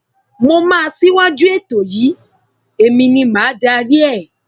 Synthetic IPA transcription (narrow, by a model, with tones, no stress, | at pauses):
mo˧mãː˦˧si˦wa˦d͡ʒu˦e˦˨to˨jiː˨˦ | e˨mĩ˧nĩ˧mãː˨˦da˦˧ɾi˦ɛ˦˨